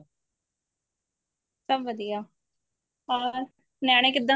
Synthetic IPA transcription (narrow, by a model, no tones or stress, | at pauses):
səbʋəd̪ijaː | aːɾ | nɛːɽ̃ẽːkɪd̪ːã